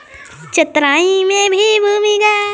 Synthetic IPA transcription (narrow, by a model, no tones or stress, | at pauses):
t͡ʃɪt̪ɾaːĩmẽbʱibʱuːmiɡaː